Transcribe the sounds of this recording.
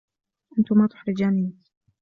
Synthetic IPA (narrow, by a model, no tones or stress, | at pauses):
ʔant̪ʊmaːt̪ʊ̥ħɾɪd͡ʒaːniːk